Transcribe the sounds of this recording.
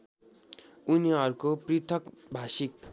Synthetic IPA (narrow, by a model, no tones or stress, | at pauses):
uniʌɾukoprit̪ʰʌkbʱasik